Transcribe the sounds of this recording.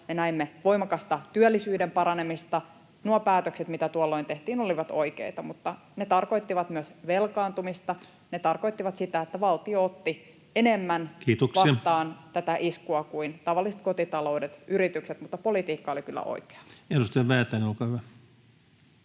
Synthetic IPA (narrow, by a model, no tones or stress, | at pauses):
menæimːeʋo̞imɑkɑst̪ɑt̪yølːisyːdempɑɾɑnemist̪ɑ | nuɑpæːt̪økset̪mit̪æt̪uolːoint̪eht̪iːnoliʋɑt̪o̰ikḛit̪ɑmut̪ːɑ | net̪ɑrko̞ijt̪ːiʋɑt̪myøsʋelkɑːnt̪umist̪ɑ | net̪ɑrkoit̪ːiʋɑt̪sit̪æet̪ːæʋɑlt̪ioot̪ːi | enemːænkiːt̪oksɑɑisɑt̪ɑːnt̪æt̪æʔiskuɑkuint̪ɑʋɑlːiset̪̚kot̪it̪ɑlo̞udet̪yɾit̪ykset̪mut̪ːɑpolit̪iːkːɑolikylːæ̰ʔo̰ike̥ɑ̥edust̪ɑjɑʋæːt̪ːˑæneolkɑhyʋæ